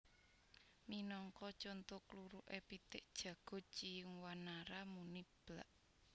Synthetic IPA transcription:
minɔŋkɔt͡ʃont̪ʊkluɾuʔepit̪ɪʔd̥ʒ̥ä̤ɡ̥ɔ̤t͡ʃijəŋwanaɾamunib̥la̰ʔ

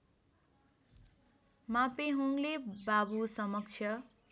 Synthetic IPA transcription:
mãpeɦuŋlebabusʌmʌk̚t͡sʰjʌ

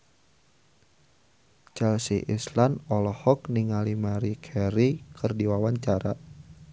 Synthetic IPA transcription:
t͡ʃɛlsiʔislanɔlɔhɔk̚niŋalimaɾikʰɛɾikʰɨrdiwawaɲt͡ʃaɾa̰

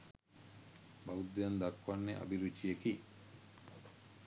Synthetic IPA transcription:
baud̪ːejand̪akwanːeʔa̰biɾut͡ʃːijeki

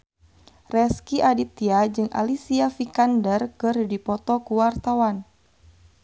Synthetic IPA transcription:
rɛskiʔadit̪iad͡ʒɨŋʔa̰lisiafikandərkɨrdipɔt̪ɔkuwart̪awan

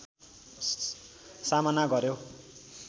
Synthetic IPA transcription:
samanaɡʌɾjo

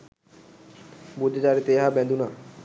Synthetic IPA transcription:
bud͡ʑed͡ʑaɾet̪eɦabɛ̃nd̪una

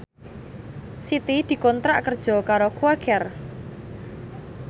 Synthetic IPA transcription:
sit̪id̪̥i̤kɔnt̪ɾaʔkərd̥ʒ̥ɔ̤kaɾokuakɛr

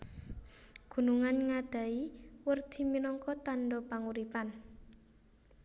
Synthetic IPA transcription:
ɡ̥ṳnuŋanŋad̪̥a̤iwərd̪̥i̤minɔŋkɔt̪aɳɖɔpaŋuɾipan

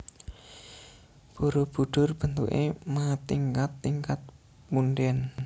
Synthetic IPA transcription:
b̥oɾob̥ṳɖ̥ʊrb̥ənt̪ṵʔḛmat̪iŋkat̪ːiŋkat̪̚ | munɖɛn

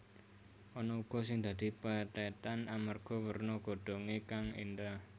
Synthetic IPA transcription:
ʔɔnɔuɡ̥ɔ̤s̬ɪŋd̪̥ä̤d̪̥i̤pət̪ɛt̪anamarɡ̥ɔ̤wərnɔɡ̥o̤ɖ̪̥ɔ̤ŋekaŋḭnd̪ah

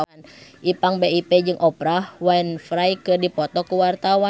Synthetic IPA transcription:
nʔipaŋbeipɛd͡ʒɨŋʔɔpɾahwainfɾajkɨrdipɔt̪ɔkuwart̪awa

